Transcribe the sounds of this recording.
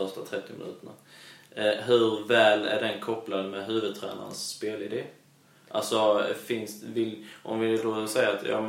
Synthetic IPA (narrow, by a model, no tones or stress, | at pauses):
œʂtat̪ʰɾɛt̪ːɪmɪnʉ̟ːt̪əɳa | ɦɵɾvɛːlæ̰ɖɛnkʰɔpːlad̪mɛɦʉ̟ːvɵd̪̚t̪ʰɾæ̰ːna̰ɳsːpeːlɪd̪eː | ʔa̰lsɔfɪnst̪vɪlʔɔmvɪd̪osɛjːaːt̪jɑ̰ː